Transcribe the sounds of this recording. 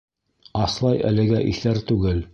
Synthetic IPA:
ɑslˠɑjʔæ̰lɘ̆ɡæʔiθæɾt̪ʉɡɘl

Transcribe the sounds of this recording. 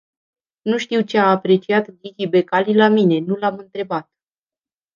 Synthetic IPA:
nuʃt̪iwt͡ʃe̞aːpɾe̞t͡ʃiat̪ɡikʲibe̞kalilamine̞nulamɨnt̪ɾe̞bat̪̚

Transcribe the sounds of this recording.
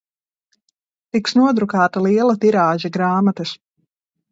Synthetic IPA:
t̪iksnuɔd̪ɾukaːt̪alˠiɛlˠat̪iɾaːʒaɡɾaːmat̪ɐs

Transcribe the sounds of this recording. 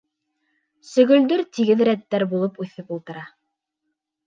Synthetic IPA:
sɵ̆ɡɵ̆ld̪ɵɾt̪iɡɘðɾæt̪ːæɾbulˠɤpʉθɘpulˠt̪ɤ̆ɾɑ

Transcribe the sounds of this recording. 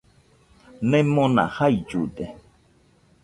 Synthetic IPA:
nɛ̃mõnã̰haid͡ʒud̪e

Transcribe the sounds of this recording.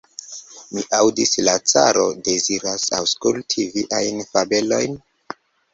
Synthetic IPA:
miʔawdislat͡sa̰ɾo̞de̞ziɾasa̰wskultʰiviʔajnfabe̞lo̞̰jn

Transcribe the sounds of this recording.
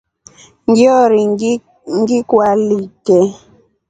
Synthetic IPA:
ŋɡjɔɾi | ŋɡikwalitɛ

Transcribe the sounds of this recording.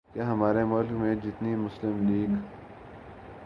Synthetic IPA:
keɦɐmaːɾemʊlkmẽd͡ʒɪt̪nimʊslɪmliːɡ

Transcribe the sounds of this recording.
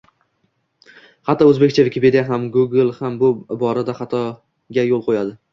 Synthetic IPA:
hɑt̪ʰɒɵzbekʲt͡ʃʰavɪkʲʰɪpʰe̞d̪ijaɦamɡuɡlˠhambʊbɒɾad̪aχɑt̪ʰɒ | ɡʲajolˠqʰojad̪ɪ

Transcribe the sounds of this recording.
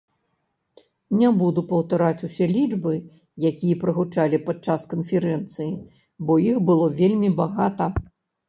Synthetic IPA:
nʲɛbud̪upɐwt̪aɾat͡sʲusʲɛlʲid͡ʐbɨ | jakʲijɐpɾɐɣut͡ʂalʲipat͡ʂːaskɐnfʲɛɾɛnt̪sɨji | bɔjixbɨlˠɔvʲelʲmʲibaɣat̪ɐ

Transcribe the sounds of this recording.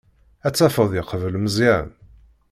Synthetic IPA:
æt͡sːæfəðˤjəqəvəlməzæə̰n

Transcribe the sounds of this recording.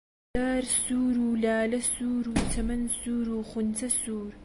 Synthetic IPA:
aːrsuːɾuːlaːlɐsuːɾuːtʰɐmɐnsuːɾuːχʷʊnt͡sʰɐsuːr

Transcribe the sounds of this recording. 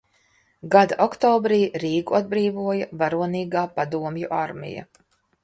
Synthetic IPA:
ɡad̪aʔɔkt̪ɔːbɾiːɾiːɡuad̪̚bɾiːvuɔjavaɾuɔniːɡaːpad̪uɔmjuʔaɾmḭja̰

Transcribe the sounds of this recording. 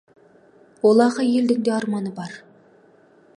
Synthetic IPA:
wolˠɑɾʁɑjeld̪ɪŋd̪eɑɾmɑnɨbɑɾ

